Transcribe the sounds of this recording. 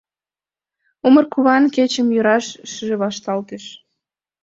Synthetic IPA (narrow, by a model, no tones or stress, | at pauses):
umə̆rkuβɑnket͡ɕə̆mjøɾɑʃʃəʒĕβɑʃt̪ɑlt̪eʃ